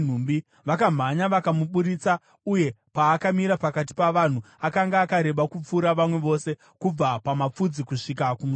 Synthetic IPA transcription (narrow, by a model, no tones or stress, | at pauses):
n̤umbi | ʋakam̤aɲaʋakamuɓuɾit͡sa | uje̞paːkamiɾapakat̬i̥paʋan̤u | akaŋɡaːkaɾe̞ɓakup͡fuɾaʋamwe̞ʋo̞se̞ | kub͡vapamap͡fud͡zikuʂikakumu